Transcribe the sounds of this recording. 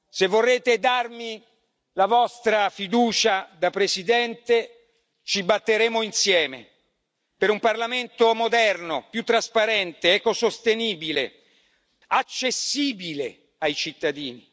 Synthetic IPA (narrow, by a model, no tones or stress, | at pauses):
sevːorːeːt̪ed̪armi | lavɔst̪ɾafid̪uːt͡ʃad̪apɾesid̪ɛnt̪e | t͡ʃibat̪ːeɾeːmoinsjɛːmḛ | peɾumparlament̪omod̪ɛrnopjut̪ːɾaspaɾɛnt̪eɛːkosost̪eniːbilḛ | at͡ʃːesːiːbilḛ | ajt͡ʃit̪ːad̪iːni